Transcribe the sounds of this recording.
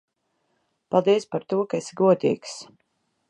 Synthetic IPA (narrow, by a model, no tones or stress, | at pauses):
palˠd̪iɛspaɾt̪uɔkaesɡuɔd̪ḭːks